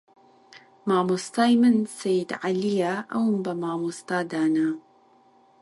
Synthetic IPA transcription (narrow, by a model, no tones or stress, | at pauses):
maːmust̪ɑːjmənsajd̪ʕalijaʔawmbamaːmust̪aːd̪aːna